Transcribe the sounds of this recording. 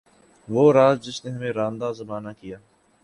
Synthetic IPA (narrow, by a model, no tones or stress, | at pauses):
ʋoːɾaːzd͡ʒɪsneɦɐmẽɾãːnd̪aːzɐmaːnakijaː